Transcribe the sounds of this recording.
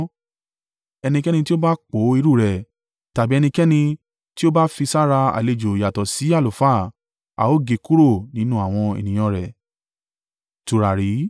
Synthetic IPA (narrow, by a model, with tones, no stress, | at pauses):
ɛ˧nĩ˧kɛ˦ñĩ˧ti˦o˦ba˦k͡po˨˦i˧˦ɾu˦˨ɾɛ˨ | ta˨bi˨˦ɛ˧nĩ˧kɛ˦nĩ˧ | ti˦o˦ba˦fi˧sa˦ɾa˧a̰˨le˧d͡ʒo˨ja˨tɔ˨si˨˦a˦˨lo˨fa˦˨ | a̰˨o˦ɡe˧ku˦ɾo˦˨nĩ˦nũ˦a˦˨w̃ɔ̃˧ḛ˨nĩ˨j̃ɔ̃˧ɾɛ˨ | tu˨ɾa˨ɾi˨˦